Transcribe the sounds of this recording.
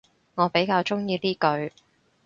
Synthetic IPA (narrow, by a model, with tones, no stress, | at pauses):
ŋɔː˨˧pe˨˥jkaː˧wt͡ʃʊ˥ŋjiː˧t̪iː˥kɵ˧ɥ